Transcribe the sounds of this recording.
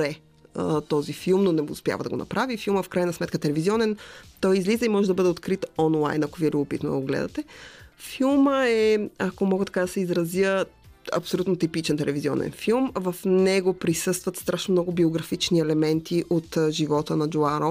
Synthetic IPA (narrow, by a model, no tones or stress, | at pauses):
ɾɛ | ət̪ɔzifilˠmnonɛmʊspʲja̰vəd̪ɐɡonɐ̰pɾavifilˠməfkɾajnɐsmɛt̪̚kət̪ɛlɛviziɔnɛnt̪ɔjizlizəimɔʒɛd̪ɐbɤd̪ɛot̪kɾit̪ɔnlˠa̰jnɐkoviɛlʲubopit̪no̰d̪oɡlɛ̰d̪ɐ̰t̪ɛfilˠməɛakomɔɡət̪ɐ̥kad̪ɐsɛizɾɐzjəɐ̰psolʲut̪not̪ipit͡ʃɛnt̪ɛlɛvizʲiɔ̰nɛ̰nfilˠmvɐfnɛɡopɾisɤst̪vət̪st̪ɾʔaʃnomnɔɡʊbioɡɾɐfit͡ʃniɛlɛmɛnt̪ʰiʔot̪ʒivɔt̪ənɐd͡ʒoaɾo